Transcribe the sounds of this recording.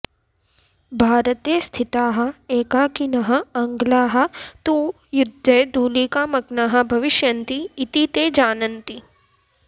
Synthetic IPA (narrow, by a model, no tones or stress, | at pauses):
bʱaːɾət̪est̪ʰɪt̪aːɦɐ̆eːkaːkinɐɦɐ̆ɐŋɡlaːɦɐ̆t̪uː | jʊd̪ʱːɐjd̪uːlikaːmɐɡnaːɦɐ̆bʱɐʋɪʃjɐnt̪iːt̪it̪eːd͡ʒaːnɐnt̪i